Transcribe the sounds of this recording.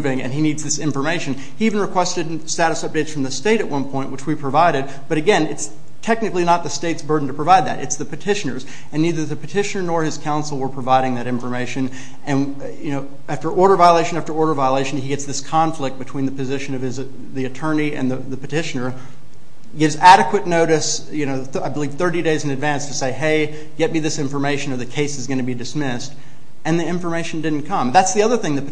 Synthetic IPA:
vɪ̃ŋɨ̰̃ninidzðɪsɪ̃ɱfə˞meɪʃɨ̃n | hiivn̩ɹɨkʰw̥ɛstɨd | stæɾɨsʌp̚d̥eɪtsfɹʌ̃mðɨsteɪɾɨʔ̚wʌ̃npʰɔ̃ɪ̃nʔwət͡ʃwipʰɹ̥ɨvaɪɾɨd̚b̥ʌɾɨɡɛ̃nɨts | tʰɛk̚nɨklinət̪̚ðɨsteɪtsbɜ˞dⁿn̩tʰɨpʰɹ̥əvaɪd̪̚ðɨ̰ɾɨ̰tsðɨpʰɨtʰɪʃɨnə˞z | ɨ̃nːiðə˞ðɨpʰɨtʰɪʃɨnə˞nɔɹɨz̥kʰãʊ̃nsl̩ˠwə˞pʰɹ̥ɨvaɪɾɪ̃ŋðɨɾɪ̃ɱfə˞meɪʃɨ̃n | ɨ̃n | jɨnoʊ | æftə˞ʔɔɹɾə˞vaɪəleɪʃɨ̃n̩æftə˞ɔɹɾə˞vaɪəleɪʃɨ̃niɡɛtsðɪskʰɑ̃ɱflɪk̚b̥ɨtʰw̥ĩnðɨpɨzɪʃɨ̃nʌv̥ɨz | ðiɨtʰɜ̃˞niɨ̰̃nðɨðɨpɨtɪʃɨ̃nə˞ | ɡɪvzæɾɨkwɨtⁿnoʊɾɨs | jɨnoʊ | aɪbəliv̥θɜ˞ɾideɪzɨ̃nɨdvæ̃nstʰɨseɪɦeɪ | ɡ̥ɛt̚miðɪsɪ̃ɱfə˞meɪʃɨ̃nə˞ðɨkʰeɪsɨzɡʌñɨbidɨsmɪst | ɨ̃nðiɪ̃ɱfə˞meɪʃn̩dɪdⁿn̩kʰʌ̃mðætsðiʌðə˞θɪ̃ŋðɨp

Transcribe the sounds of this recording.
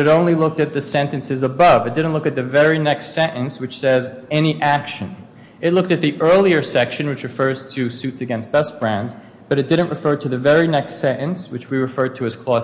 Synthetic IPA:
ɨɾõʊ̃nlilʊk̚tɨt̪̚ðɨsɛ̃ntɨ̃nsɨzəbʌvɨt̚d̥ɪdⁿn̩tˡlʊkɨt̪̚ðɨvɛɹinɛkstsɛ̃nʔɨ̃nswɨt͡ʃsɛzɛniʔækʃɨ̰̃n | ɨtˡlʊk̚tɨt̪̚ðiʔɜ˞lˠiə˞sɛkʃɨ̃nwɨt͡ʃɹ̥ɨfɜ˞z̥tʰɨsʉtsɨɡɛ̃ns̚b̥ɛsb̥ɹæ̃ndz | b̥ʌɾɨt̚d̥ɪdⁿn̩ʔɹɨfɜ˞ɾɨðɨvɛɹinɛkstsɛ̃ɾɨ̃nswɨt͡ʃwiɹɨfɜ˞d̚tʰɨɨz̥kʰl̥ɔ

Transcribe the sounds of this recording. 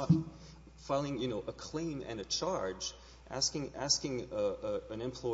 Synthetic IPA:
ət | faɪlˠɪ̃ŋjɨnoʊʔəkʰl̥ẽɪ̃mɨ̰̃nɨt͡ʃʰɑɹd͡ʒ | ʔæ̰skɪ̃ŋæ̰skɪ̃ŋəəɨ̃nɨ̃mpʰl̥ɔ

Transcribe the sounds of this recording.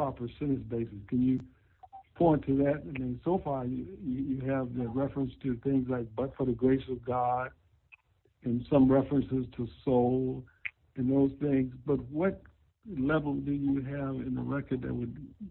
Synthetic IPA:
pʰɹ̥ɑpə˞sɪ̃nɨsbeɪsɨskʰɨ̃njɨ | pʰɔ̃ɪ̃ntʰɨðɨɾɨ̃nðɨ̃nsoʊfɑɹjɨjɨjɨɨvðɨt̚ɹɛfɹɨ̃nstʰɨθɪ̃ŋzlaɪk̚b̥ʌtfə˞ðɨɡɹeɪsʌvɡɑd̥̚ | ɨ̃nsʌ̃mɹɛfɹɨ̃nsɨz̥tʰəsoʊlˠ | ɨ̃nðoʊz̥θɪ̃ŋzbʌt̚wʌt̚ | lɛvl̩ˠdɨjɨɨvɪ̃nəɹɛkə˞d̪̚ðɨ̰t̚wɨd̚

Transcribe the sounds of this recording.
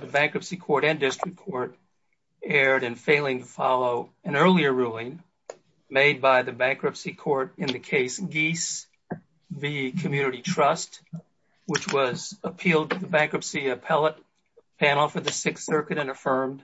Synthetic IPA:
ðɨbæ̃ŋkɹɨpsikʰɔɹɾɨ̃ndɪstɹ̥ɨkʰɔɹt̚ | ɛɹɾɨ̃nfeɪlˠɪ̃ŋtʰəfɑlˠoʊ | ɨ̃nɜ˞lˠiə˞ɹulˠɪ̃ŋ | meɪd̚baɪðɨbæ̃ŋkɹɨpsikʰɔɹɾɨ̃nðɨkʰeɪsɡ̥is | vikʰɨm̩jʉnɨɾitʰɹ̥ʌst | wɨt͡ʃwʌzəpʰilˠd̚tʰɨðɨbæ̃ŋkɹɨpsiɨpʰɛlˠət̚ | pʰæñl̩ˠfə˞ðɨsɪkssɜ˞kɨɾɨ̃nɨfɜ̃˞md̥

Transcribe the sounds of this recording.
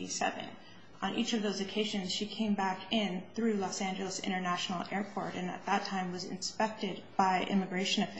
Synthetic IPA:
isɛ̰vɨ̰̃n | ʔə̃nʔit͡ʃʌvðoʊzɨkʰeɪʒɨ̃nz̥ʃikʰẽɪ̃mbækɪ̃nθɹʉlɔsæ̃nd͡ʒɨl̩ˠəsɪ̰̃ɾ̃ə˞næʃn̩l̩ˠɛɹpʰɔ̰ɹɾɨ̃nɨ̰t̪̚ðətʰãɪ̃mwʌzɨ̰̃nspɛk̚tɪd̚b̥aɪʔɪ̰̃mɨɡɹeɪʃɨ̃nɨf

